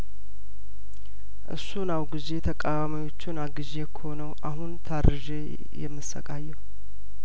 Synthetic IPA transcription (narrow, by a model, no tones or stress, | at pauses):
ʔɨ̰sːunawɡize̞t̪ʰəkʼawamijo̞t͡ʃːɪnaɡɨʒekʰəho̞nəwʔaɦunt̪ʰaɾɾɨʒe | jɛ̰mːɨsə̰kʼajːɛw